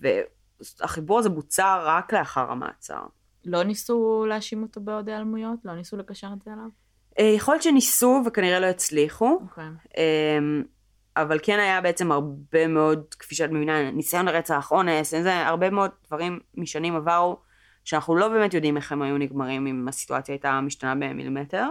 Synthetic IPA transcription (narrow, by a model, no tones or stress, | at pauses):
vḛ | aχibuʁazebut͡saʁːakle̞aχaʁa̰ma̰ːt͡sa̰ʁ | lo̞nisuleaʃimotobeodealmujo̞tlo̞nisulepaʃanet͡selav | ejeχojott͡ʃenisuvekaniʁelo̞et͡sliχuʔem | avalke̞najabe̞et͡se̞maʁbe̞meo̞dkfiʃeatmevinanisajo̞nleʁet͡saːχo̞ne̞senzea̰ʁbe̞meo̞d̚dvaʁimːiʃanimavaʁu | ʃeanaχnulo̞be̞ːmet̬jo̞dimeχemajuniɡmaʁimimasi̥tuat͡sjaːjtamiʃtanabe̞mḭlḭmeteʁ